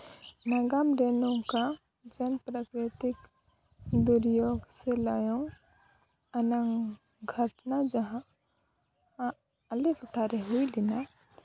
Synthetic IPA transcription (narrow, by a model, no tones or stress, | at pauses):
nəɡamɾenõka | d͡ʒənpɾakɾɪt̪ɪk | d̪uɾjoɡseləjõ | ənə̃ŋɡ | ɡʱəʈnad͡ʒəɦã | əlepʰʊʈʰaɾeɦuilina